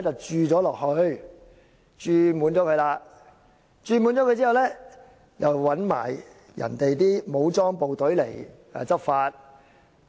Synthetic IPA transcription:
t͡sɐ˨wt͡ʃyː˨˧t͡sɔː˨˥lɔː˨k̚hɵ˧ɥ | t͡ʃyː˨˧muː˨˥nt͡sɔː˨˥kʰɵ˧jlaː˧ | t͡ʃyː˧muː˨˥nt͡sɔ˨˥kɵ˧ɥt͡siː˥hwlɛː˥ | jɐ˨wwɐ˨˥nma̰ː˨˩j | jɐ̰˨˩nt̪e˨jt̪iː˥mo˨˧˥wt͡sɔː˥ŋpo˨wt̪ɵ˨˥ɥlḛ˨˩j | ɛ̰ː˨˧t͡sɐ˥p̚faː˧t̚

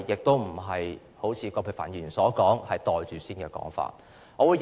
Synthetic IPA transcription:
jɪ˨k̚t̪o˥wm̩˨˩ɦɐ˨j | ho˨˥wt͡sʰiː˨˧kɔ˧pʰe˧˩fa̰ː˨˩njyː˨˩nsɔː˨˥kɔː˨˥ŋhɐ˨jt̪ɔː˨jt͡ʃyː˨siː˥nkɛː˧kɔ̰ː˨˥ŋfa̰ː˧t̚ | ŋɔː˨˧wuː˨˧j

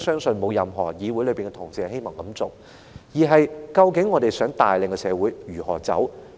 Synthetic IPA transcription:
sœː˥ŋsɵ˨˧nmo˨˧wjɐ˨˧mɦɔː˨˩jiː˨˧wuː˨˥jlpiː˨nŋkɛ˧t̪ʰʊ˨˩ŋsiː˨˧he˥jmɔː˨˩ŋkɐ˨˥mt͡sʊ˨˩w | jiː˨˩ɦɐ˨jkɐ˧wkɪ˨˥ŋːɔː˨˧d̪e˨jsœː˨˥ŋt̪aː˨jlɪ˨ŋkɛ˧sɛː˨˧wuː˨˥jjyː˨˩hɔ̰ː˨˩t͡sɐ̰˨˥w

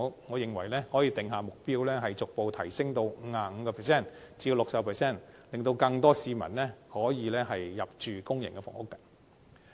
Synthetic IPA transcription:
ŋɔː˨˧jɪ˨ŋwɐ˨˩jlɛː˥hɔː˨˥jiː˧t̪ɪ˨ŋɦaː˨˧mʊ˨k̚piː˥wlɛː˥ɦɐ˨jt͡sʊ˨k̚po˨wt̪ʰɐ˨˩jsɪ˥ŋt̪o˧wŋ̩˨˧˥aː˨˧ŋ̩ː˨˧kɔː˧pʰɛː˨˩sɛː˥˩nt͡si˧ji˧wlʊ˨k̚sɐ˨pʰɛː˨˩sɛː˥˩nlɪ˨ŋt̪o˧wkɐ˧ŋt̪ɔː˥siː˨˧mɐ̰˨˩nlɛː˥hɔː˨˥jiː˨˧lɛː˥ɦɐ˨jːɐ˨p̚t͡ʃyː˨kʊ˥ŋjɪ̰˨˩ŋkɛː˧fɔ̰ː˨˩ŋʊ˥kːɐ˨

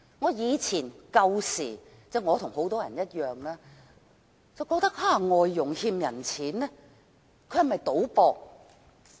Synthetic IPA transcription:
ŋɔː˨˧jiː˨˧t͡sʰiː˨˩nkɐ˧wsḭː˨˩ | t͡sɛː˥˩ŋɔː˨˧t̪ʰʊ˨˩ŋho˨˥wt̪ɔː˥jɐ̰˨˩njɐ˥t̚jœː˨˩ŋlaː˧ | t͡sɐ˨wkɔː˧k̚t̪ɐ˥k̚aː˧˥ŋɔː˨jːʊ˨˩ŋhiː˧mjɐ˨˩nt͡sʰiː˨˥nnɛː˥ | kʰɵ˧hɐ˨˩mɐ˨jt̪o˨˥wpɔː˧k̚

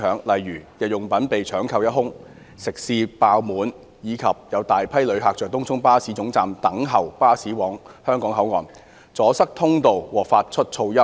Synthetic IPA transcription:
œː˨˥ŋlɐ˨jɥyː˨˩jɐ˨t̚jʊ˨˩ŋpɐ˨˥npe˨jt͡ʃʰœː˨˥ŋkʰɐ˧wjɐ˥t̚ɦʊ˥ŋ | sɪ˨˩k̚siː˧paː˧wmuː˨˧n | jiː˨˧kʰɐ˨p̚jɐ˨˧wt̪aː˨jpʰɐ˥jlɵ˨˧ɥɦaː˨k̚t͡ʃœː˨k̚t̪ʊ˥ŋt͡sʰʊ˥ŋpaː˥siː˨˥t͡sʊ˨˥ŋt͡saː˨mt̪ɐ˨˥ŋɦɐ˨wpaː˥siː˨˥wɔː˨˥ŋhœː˥ŋkɔː˨˥ŋɦɐ˨˥wŋɔ̰ː˨n | t͡sɔː˨˥sɐ˥k̚t̪ʰʊ˥ŋt̪o˨wwɔː˨˩faː˧t̚t͡ʃʰɵ˥t̚t͡ʃʰo˧wjɐ˥

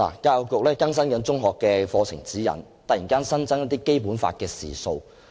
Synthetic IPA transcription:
la̰ː˨˩kaː˧wkʊ˨k̚lɛː˥kɐ˥ns̬ɐ˥nkɐ˨˥nt͡sʊ˥ŋɦɔː˨kːɛː˧fɔː˧t͡sʰɪ˨˩ŋt͡siː˨˥jɐ̰˨˩n | t̪ɐ˨jiː˨˩nkaː˥nsɐ˥nt͡sɐ˥njɐ˥t̪iː˥ke˥jpuː˨˥nfa̰ː˧t̚kɛː˧sḭː˨so˧w

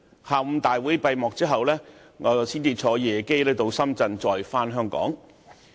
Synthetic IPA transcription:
haː˧m̩˧t̪aː˨jwuː˨˥jpɐ˧jmɔː˨k̚t͡siː˥ɦɐ˨wlɛː˥ | ŋɔː˨˧˨siː˥nt̪iː˧t̚t͡ʃʰɔː˨˥jɛː˨ke˥jlɛː˥t̪o˧wsɐ˥mt͡sɐ˧nt͡sɔː˨jfaː˥nɦœː˥ŋkɔ̰ː˨˥ŋ

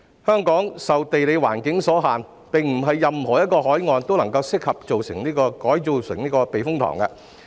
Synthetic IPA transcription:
hœː˥ŋkɔː˨˥ŋsɐ˨wt̪e˨jle˨˧jwa̰ː˨˩nkɪ˨˥ŋsɔː˨˥ɦaː˨n | pɪ˨ŋm̩˨˩ɦɐ˨jːɐ˨mhɔː˨˩jɐ˥t̚kɔː˧ɦɔː˨˥jŋɔː˨˧nt̪o˥wlɐ˨˩ŋkɐ˧wsɪ˥k̚hɐ˨p̚t͡so˨wsɪ˨˩ŋniː˥kɔː˧kɔː˨˥jt͡so˨˧wsɪ̰˨˩ŋniː˥kɔː˧pe˨jfʊ˥ŋt̪ʰɔ̰ː˨˩ŋkɐ˧

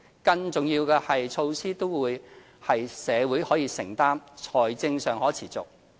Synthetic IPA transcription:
kɐ˧ŋt͡sʊ˨˩ŋjiː˧wkɛː˧hɐ˨jt͡sʰo˧wsiː˥t̪o˥wwuː˨˧j | hɐ˨jsɛː˨˧wu˨˥jhɔː˨˥jiː˧sɪ˨˩ŋt̪aː˥mt͡ʃʰɔː˨˩jt͡sɪ˧ŋsœː˨ŋhɔː˨˥t͡sʰiː˨˩t͡sʊ̰˨k̚

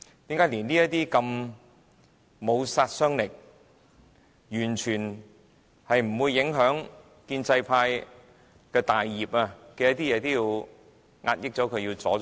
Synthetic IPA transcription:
t̪i˨˥mkaː˨˥jliː˨˩nliː˥jɐ˥t̚t̪iː˥kɐ˧m | o˨˧wsaː˧t̚sœː˥ŋlɪ˨˩k̚ | jyː˨˩nt͡ʃʰyː˨˩n | hɐ˨jm̩˨˩wuː˧jːɪ˨˥ŋɦœː˨˥ŋ | kiː˧nt͡sɐ˧jpʰaː˧j | kɛː˧t̪aː˨jːiː˨p̚aː˧kɛː˧jɐ˥t̪iː˥jɛː˨˧t̪oː˥wjiː˧w | ŋaː˧t̚jɪ˥k̚t͡sɔː˨˥kʰɵ˨˧ɥjiː˧wt͡sɔ̰ː˨˥

